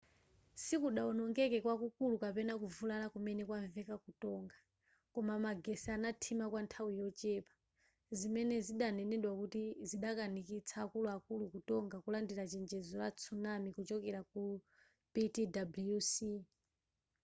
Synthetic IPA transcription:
sikuɗaɔnɔŋɡɛkɛkwakukulukapɛnakuvulalakumɛnɛkwaɱvɛkakutɔŋɡa | kɔmamaɡɛsɛanatʰimakwantʰawijɔt͡ʃɛpḁ | zimɛnɛziɗanɛnɛɗwakutiziɗakanikit͡sʰaːkuluakulukutɔŋɡakulandiɾat͡ʃɛnd͡ʒɛzɔlat͡sʰunamikut͡ʃɔkɛɾaku | pitidablijusi

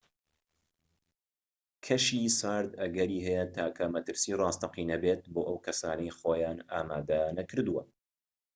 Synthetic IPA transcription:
kʰɐʃiːsaːɾd̪ɐɡɐɾiːɦɛjɛt̪ʰaːkʰɐmɐt̪ɨɾsiːrˤɑːst̪ʰɐqiːnɐbeːt̪̚boːʔɐwkʰɐsaːnɐjxoːjaːnaːmaːd̪ɐnɐkʰɨɾd̪uwɐ

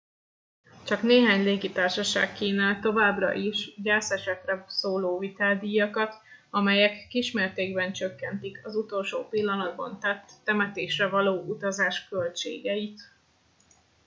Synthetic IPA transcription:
t͡ʃɒkneːɦaːɲleːɡit̪aːrʃɒʃa̰ːkkiːnaːlt̪o̞vaːbrɒ̰ʔiʃɟɛlsɛʃɛk̪rɛsoːloːvit̪aːd̪ijɒkɒt̪ɒmɛjɛkːiːʃmeːrt̪eːɡbɛnt͡ʃøkːɛnt̪ikɒzut̪o̞lʃo̰ːpilːɒnɒd̪̚bɒ̰nt̪ɛt̪ːɛmɛt̪eːʃrɛvɒloːʔut̪ɒzaːʃkølt͡ʃḛːɡɛit̪

